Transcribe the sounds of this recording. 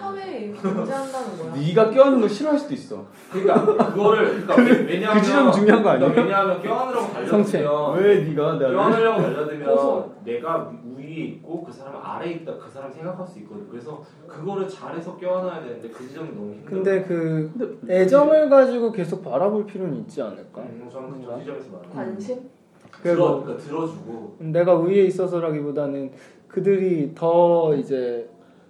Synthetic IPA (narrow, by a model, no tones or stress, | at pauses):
d͡ʑandanniɡak͈jowanɯnoɕʰiɾuɦaɭs͈ud̥ois͈ʌ̰ | ɯɲik͈aɯɡʌɾɯɭkɯɲkɯd͡ʑid͡ʑʌmt͡ɕuŋɲjoɦaŋɡoaɲiɲamjʌnk͈joanɯɾʌɡopaʎːʰʌŋt͡ɕʰeweniɡaneɡaaʌɡaʎːadɯmjʌʌne̞ɡauiɾiːt̚k͈okɯsʰaɾamḭʔa̰ɾe̞it̚t͈akɯsʰaɾamisʰeŋɡakʰaɭs͈uitk͈ʌd̪ɯɲjo̰kɯɾe̞sʰʌ | kɯɡʌɾɯɭt͡ɕaɾe̞sʰʌk͈jewanɦajadwe̞nɯndekɯd͡ʑid͡ʑʌŋinːoŋikɯnde̞kɯ | e̞d͡ʑʌmɯɭɡad͡ʑiɡoke̞sʰok̚paɾaboɭpʰiɾjonɲit̚t͡ɕ͈ianɯɭk͈aɯid͡ʑʌmesʰʌbaɾanɕʰim | kɯɾeɡok͈atɯɾʌd͡ʑuɡone̞ɡauie̞is͈ʌsʰʌɾaɡibodanɯn | kɯdɯɾitʌid͡ʑe̞